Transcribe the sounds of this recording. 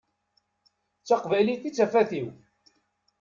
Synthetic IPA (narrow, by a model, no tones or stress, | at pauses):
t͡sːɑqvæjliθit͡sːæfæθiw